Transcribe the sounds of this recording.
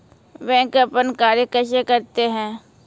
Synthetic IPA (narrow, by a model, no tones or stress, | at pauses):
ʋɛ̃ːkəpənkaːɾjəkəʃ̬ekɐɾt̪eɦɛ̃ː